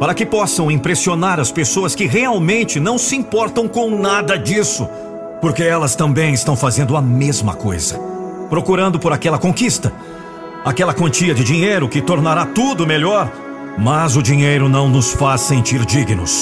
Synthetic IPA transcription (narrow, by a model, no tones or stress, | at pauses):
paɾɐkɪpɔsɐ̃w̃ĩpɾesionaɾɐspesoɐskɪɦeawmẽnt͡ʃɪnɐ̃w̃sɪĩpɔɾt̪ɐ̃w̃kõw̃nad̪ɐd͡ʒisʊ̰ | poɾkeɛlɐst̪ɐ̃mbẽj̃ɪst̪ɐ̃w̃fazẽnd̪ʊɐmezmɐ̰ko̰jzɐ̰pɾokuɾɐ̃nd̪ʊpoɾakɛlɐkõkist̪ɐ | akɛlɐkɐ̃nt͡ʃiɐd͡ʒɪd͡ʒiɲejɾʊkɪt̪oɾnaɾat̪ud̪ʊmeʎɔɾ | mɐzʊd͡ʒĩɲejɾʊnɐ̃w̃nʊsfasːẽnt͡ʃiɾd͡ʒiɡinʊ̰s